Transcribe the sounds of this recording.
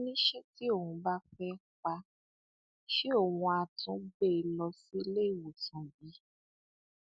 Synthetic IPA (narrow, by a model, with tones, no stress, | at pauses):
nĩ˦ʃe˦ti˦o˦˨hũ˧ba˦fɛ˦k͡pa˧ | ʃe˦o˦˨wũ˧a˨tũ˨˦be˦˧lɔ˧si˦le˦i˦˨wo˨sã˨bi˨˦